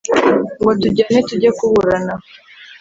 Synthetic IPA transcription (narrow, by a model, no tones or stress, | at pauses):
ŋɡotuɟanetuɟakuβuɾana